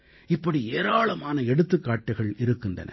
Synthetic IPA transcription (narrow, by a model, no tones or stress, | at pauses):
ɪpːɐɽieːɾaːɭɐmaːnɐɛɽɯt̪ːɯkːaːʈːɐɪɣɐɭɪɾɯkːɪndrɐ̰nɐ̰